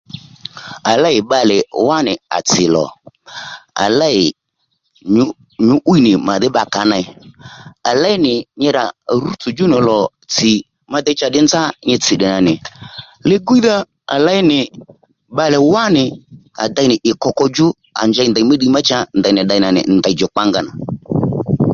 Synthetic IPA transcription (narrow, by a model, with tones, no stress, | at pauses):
a˨la˦ɪ˨ɓa˧lɪ˨wa˦nɪ˨a̰˨t͡sɪ˨lɔ̰˨ | a̰˨la˦ɪ˨ | ɲʊ˦ | ɲʊ˨˦ʔu˦i˦nɪ˨ma˨ðɪ˦ba˨ka˨˦na˧ɪ˦ | a˨la˦ɪ˦nɪ˨ɲɪ˧ɾa˨ɾu˦t͡sʊ˨d͡ʒʊ˦nɪ˨lɔ˨ | t͡sɪ˨ | ma˦d̪ɪ˦t͡ʃa˧ɗɪ˦nd͡za˦ɲɪ˧t͡sɪ˨ɗɪ˨na˨nɪ˨ | lɪ˦ɡu˦i˦ða˦ | a̰˨la˦ɪ˦nɪ˨ | ɓa˨lɛ˨wa˦nɪ˨ | a̰˨da˧˦ɪ˦nɪ˨ʔɪ˨kɔ˧kɔ˧d͡ʒʊ˦ | a̰˨nd͡ʒa˧ɪ˧nda˨i˨˦ma˦ɗi˧˦ma˦t͡ʃa˧nda˨nɪ˨ɗa˧ɪ˧˦na˨nɪ̰˨nda˨d͡ʒɔ˨k͡pa˦ŋɡa˦na˨